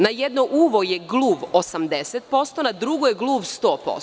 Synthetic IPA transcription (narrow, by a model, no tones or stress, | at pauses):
najed̪noʔuːʋojeɡlˠuːʋosamd̪eset̪̚po̞st̪o̞nad̪ɾuɡojeɡlˠuːʋst̪o̞ːpo̰